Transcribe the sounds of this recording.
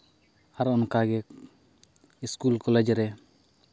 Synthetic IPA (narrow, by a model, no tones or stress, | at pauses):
aɾɔnkaɡɛk | iskulkɔlɛd͡ʒɾɛ